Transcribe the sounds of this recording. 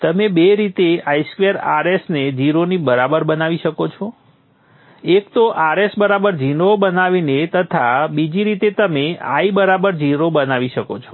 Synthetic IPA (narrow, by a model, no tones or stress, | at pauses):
t̪əmebeɾit̪eajskʋjəɾaɾesned͡ʒiɾonibəɾabəɾbənaʋiʃəkot͡ʃʰo | ekt̪oʔaɾesbəɾabəɾd͡ʒinobənaʋinet̪ət̪ʰabid͡ʒiɾit̪et̪əmea̰ibəɾabəɾd͡ʒiɾobənaʋiʃəkot͡ʃʰo̥